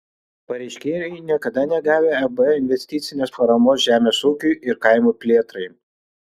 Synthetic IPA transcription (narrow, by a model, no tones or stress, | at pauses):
pɐɾʲɛɪʃʲkʲeːjɛɪnʲiɛkɐd̪ɐnʲɛɡɑːʋʲeːɛbɪnʲʋʲɛsʲt̪ʲɪt̪sʲɪnʲeːspɐɾɐmoːsʒʲæːmʲeːsuːkʲʊɪʔɪɾkɐɪmuːpʲlʲeːɛt̪ɾɐɪ